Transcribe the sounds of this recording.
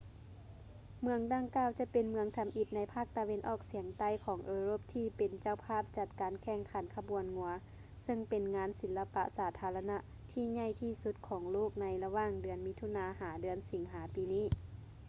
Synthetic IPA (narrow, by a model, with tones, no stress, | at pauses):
mɯ˧əŋda˧ŋkaː˧˩wt͡ɕa˧pe˨˩nmɯ˧əŋt̪ʰa˧mʔi˧˩t̪̚na˧˥jpʰaː˥˩k̚t̪a˨˧we˧nʔɔː˧˩k̚si˨˩˦əŋt̪a˧˨jkʰɔː˩˦ŋʔɤː˧ɾoː˧˥˩p̚t̪ʰiː˧˩pe˨˩nt͡ɕa˧˨wpʰaː˥˩p̚t͡ɕa˧˩t̪̚kaː˨˦nkʰɛː˧˩ŋkʰa˨˦nkʰa˧bu˨˩˨ənŋu˧ɐ | sɤ˧ŋpe˨nŋaː˧˥nsi˩˦lːa˧pa̰˧ʔsaː˨˩˦t̪ʰaː˧˦la˧na˧ | t̪ʰiː˧˩ɲa˧˥˩jt̪ʰiː˧˩su˧˦t̪̚kʰɔː˩˦ŋloː˥˩k̚na˧˥jla˧waː˧˩ŋdɯ˨˩ənmi˧˥t̪ʰu˧˨naː˧˥haː˩˦dɯ˨˩˦ənsi˨˦ŋɦaː˩˦piː˨niː˥˩